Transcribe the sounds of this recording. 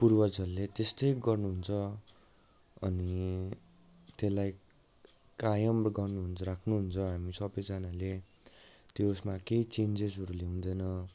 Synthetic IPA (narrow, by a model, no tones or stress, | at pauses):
purwʌd͡zʌrlet̪est̪ʌjɡʌrnuɦunt͡sʰʌ | ʌ̰ni | t̪elaj | kajʌmrɡʌrnuɦunt͡sʌrakʰnuɦunt͡sʰʌɦamisʌbʌjd͡zanale | t̪josmakeit͡send͡zesɦʌɾuleɦũnd̪ʌjnʌ